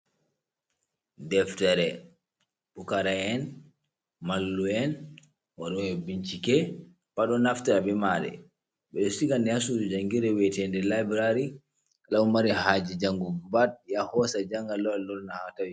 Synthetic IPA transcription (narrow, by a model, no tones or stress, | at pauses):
dɛftɛɾɛ | ɓukaɾaɛn | malːuɛn | waɗɔjɛbiɲt͡ʃikɛ | paɗɔnaftaaɓɛmaɗɛ̰ | ɓɛɗɔsiɡanɛasud͡ʒaŋɡiɾɛwɛtɛndɛlabɾaɾi | kalaumaɾɛhad͡ʒid͡ʒaŋɡubad̚jahɔsad͡ʒaŋɡalɔlɔlnahatawi